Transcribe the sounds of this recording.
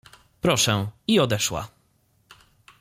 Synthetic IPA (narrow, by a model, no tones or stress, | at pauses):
pɾɔʂɛ̃iɔd̪ɛʂwa̰